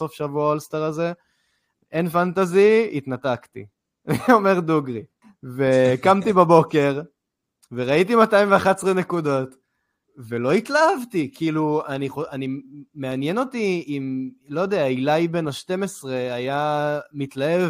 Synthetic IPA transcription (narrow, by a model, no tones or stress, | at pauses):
o̞fʃavuaalst̪aʁaze | enfant̪aziit̪natakt̪ḭ | o̞me̞ʁd̪uɡʁi | vekamt̪ibabo̞ke̞ʁ | ve̞ʁait̬imataimɱveaχatsʁene̞kud̪o̞t̪ | ve̞lo̞it̪laavt̪ikiːluaniχoanimeanjeno̞tiːmlo̞jod̪eailajbe̞naʃte̞mesʁe̞ajamitlaev